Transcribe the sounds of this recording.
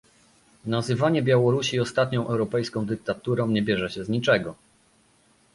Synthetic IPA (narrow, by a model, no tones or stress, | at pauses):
nazɘvaɲɛbʲjawɔɾuɕiɔst̪at̪ɲɔ̃w̃ʔɛwɾɔpɛjskɔ̃w̃d̪ɘk̚t̪at̪uɾɔ̃w̃ɲɛbʲjɛʐɛɕɛzɲit͡ʂɛɡɔ